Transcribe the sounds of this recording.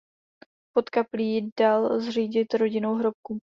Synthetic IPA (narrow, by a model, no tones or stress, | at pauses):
po̞t̪kapliːdalzr̝iːɟɪt̪ɾo̞ɟɪnowɦɾo̞p̚ku